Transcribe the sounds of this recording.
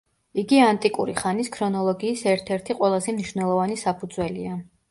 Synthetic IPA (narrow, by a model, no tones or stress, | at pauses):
iɡiant̪ʼikʼṵɾiχaniskʰɾɔnɔlˠɔɡiːsɛɾt̪ʰɛɾt̪ʰiqʼwɛlˠazɛmniʃvnɛlˠɔvanisapʰud̪zwɛlia